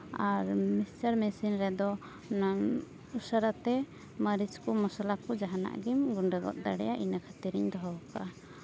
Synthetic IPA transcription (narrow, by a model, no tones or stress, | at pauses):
aɾmist͡ʃaɾmɛsinɾɛd̪ɔ | na | usaɾat̪ɛ | məɾid͡ʒkumɔsalakɔd͡ʒaɦana̰ʔɡimɡuɳɖəɡɔ̰t̪̚d̪aɽɛ̰jaʔinakʰat̪iɾiɲd̪ɔɦɔka